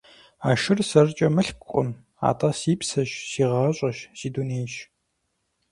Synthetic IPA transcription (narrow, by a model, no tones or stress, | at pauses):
aːʃɪrsɐrt͡ʃʼɐmɨɬkʷqʷʼʊ̰n | a̰ːtʼɐsiːpsɐʃsiːʁɐɕʼɐʃsiːduneːɕ